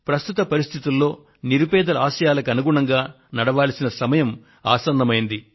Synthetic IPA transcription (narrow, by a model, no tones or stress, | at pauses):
pɾɐst̪ut̪ɐpɐɾist̪ʰit̪ulːo̞ː | niɾupɛːd̪ɐlɐaːʃɐjaːlɐkɐnuɡuɳɐŋɡaː | nɐɽɐʋaːlɐsinɐsɐmɐjɐm | a̰ːsɐnd̪ɐmɐjind̪i